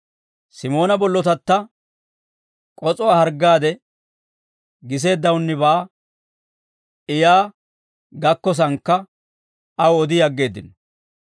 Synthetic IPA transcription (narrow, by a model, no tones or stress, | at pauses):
sɪmo̞ːnɐbɔlːɔt̪ɐt̪ːɐ | kʼɔt͡sʼɔwaːhɐɾɡːaːd̪ɛ | ɡɪs̬e̞ːd̪ːɐwʊnːɪbaː | ɪjaː | ɡɐkːɔs̬ɐŋkːɐ | ɐwɔd̪ɪjɐɡːe̞ːd̪ːɪnɔ